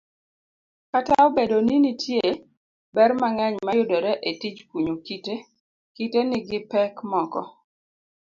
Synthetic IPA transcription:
kataobedoninitʰje | bɛrmaŋɛɲmajʊdoɾɛʔetit͡ʃkwuɲokite | kitenɪɡɪpɛkmɔkɔ̰

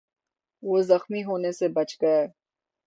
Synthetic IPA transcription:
ʋoːzɐxmiɦoːnesebɐt͡ʃɡɐeː

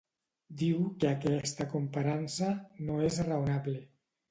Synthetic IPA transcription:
d̪iwkeakɛst̪akompaɾansanoezraunaβle

